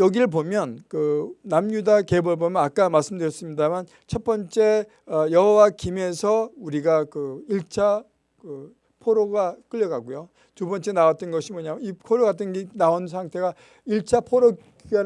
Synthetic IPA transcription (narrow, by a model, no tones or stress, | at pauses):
jʌɡiɾɯɭpomjʌnkɯnamɲudake̞bʌbomjʌnak͈amaɭs͈ɯmdɯɾjʌs͈ɯmɲidaman | t͡ɕʰʌt̚p͈ʌnt͡ɕ͈e̞ | ʌjʌɦʌwakime̞sʰʌuɾiɡakɯiɭt͡ɕʰa | kɯ | pʰoɾoɡak͈ɯʎːʌɡaɡujo | tubʌnt͡ɕ͈e̞nawat̚t͈ʌnɡʌɕʰimwʌɲamipʰoɾoɡatʰɯnɡenaons̬ʰaŋtʰe̞ɡa | iɭt͡ɕʰapʰoɾo | a